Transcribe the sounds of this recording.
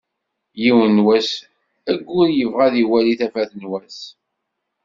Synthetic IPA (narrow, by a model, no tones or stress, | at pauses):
jiwənwæs | æɡʷːʊɾjəvʁæðiwæliθæfæθnwæs